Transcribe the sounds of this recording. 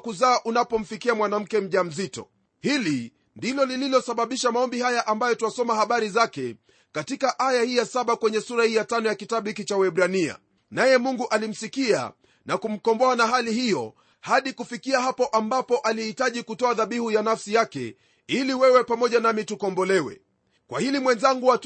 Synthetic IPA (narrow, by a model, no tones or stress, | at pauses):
kuzaːʔunapɔm̩fikiamwanam̩kɛm̩ʄam̩zitɔ̰ | hili | ndilɔlililɔsaɓaɓiʃamaɔmbihajaʔambajɔtuwasɔmahaɓaɾizakɛ | katikaʔajahiːjasaɓakwɛɲɛsuɾahiːjatanɔjakitaɓuhikit͡ʃawɛɓɾania̰ | najɛmuŋɡuʔalim̩sikia̰ | nakum̩kɔmbɔanaɦalihijɔ | haɗikufikiahapɔʔambapɔʔalihitaʄikutɔaðaɓihujanafsijakɛ̰ | iliwɛwɛpamɔʄanamitukɔmbɔlɛwɛ̰ | kwa̰hilimwɛnzaŋɡuwa